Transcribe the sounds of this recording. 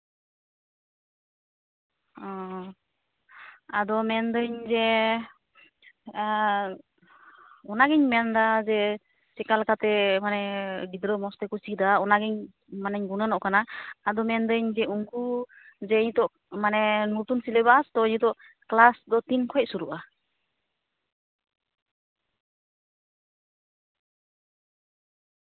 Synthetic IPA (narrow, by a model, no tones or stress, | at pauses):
ɔ | ad̪ɔmɛnd̪əɲd͡ʒɛ | ɔnaɡɛɲmɛnd̪ad͡ʒɛ | t͡ʃɛkalkat̪ɛmanɛɡid̪ɾəmɔst̪ɛkusid̪aɔnaɡɛɲ | manɛɲɡunənɔʔkanaːd̪ɔmɛnd̪əɲd͡ʒɛuŋku | d͡ʒɛɲt̪ɔʔ | manɛnut̪unsilɛbast̪ɔɲut̪ɔʔ | klasd̪ɔt̪inkʰɔɛc̚suɾuʔa